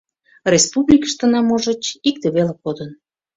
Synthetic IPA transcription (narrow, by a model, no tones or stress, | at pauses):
rʲespublʲikə̥ʃt̪ə̆nɑmoʒət͡ɕikt̪eβelekod̪ən